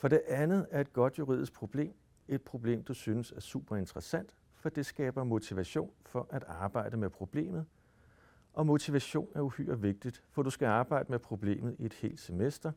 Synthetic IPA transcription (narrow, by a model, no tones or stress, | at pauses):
fɒ̽ɾ̥e̝ʔænð̩ˠæɐe̝d̥̚ɡ̥ɒ̽d̥juʁḭðˠisɡ̥̚pʰʁo̝b̥le̝̰ːm | e̝d̥̚pʰʁo̝b̥le̝̰ːmd̥usyːnəsæɐsuːb̥ɐe̝nd̥ʁɐsæn̰d̥ | fɒ̽d̥e̝sɡ̥ɛːb̥ɐmo̝t͡sʰiʋæɕo̝̰ːnfɒ̽ʔæd̥ɑ̈ːb̥ɑ̈ɪ̰d̥əmepʰʁo̝b̥le̝̰ːmð̞̩ˠ | ɒ̽mo̝t͡sʰiʋæɕo̝̰ːnæɐuhy̰ːɐʋe̝ɡ̥̚d̥id̥fɒ̽d̥usɡ̥æɑ̈ːb̥ɑ̈ɪ̰d̥əmepʰʁo̝b̥le̝̰ːmð̩ˠie̝d̥he̝̰ːld̥semesd̥ɐ